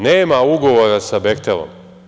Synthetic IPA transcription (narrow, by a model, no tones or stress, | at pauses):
neːmauɡo̞ʋoːɾasabekt̪elo̰m